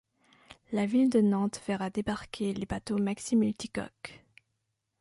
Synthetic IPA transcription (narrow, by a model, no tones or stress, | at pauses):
lavild̪ənɑ̃t̪v̥ɛʁad̪ebaʁkʲʰelebat̪omaksimylt̪ikɔ̰k